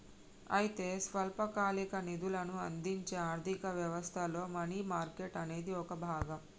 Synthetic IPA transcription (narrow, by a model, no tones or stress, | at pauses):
ɐ̰jit̪e̞ːsʋɐlpɐkaːlikɐnid̪ulɐnuɐ̰nd̪iɲt͡ʃeːaːɾd̪ʱikɐʋjɐʋɐst̪ʰɐlo̞ːmɐniːmaːɾke̞ʈɐne̞ːd̪iɔkɐbʱaːɡɐm